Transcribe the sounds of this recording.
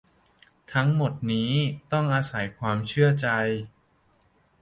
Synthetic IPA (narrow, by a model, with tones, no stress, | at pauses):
t̪ʰa˦˥ŋmo˨˩t̪̚niː˦˥t̪ɔ˥˩ŋʔaː˧sa˩˦jkʰwaː˧mt͡ɕʰɯ˥˩ɐt͡ɕa˧j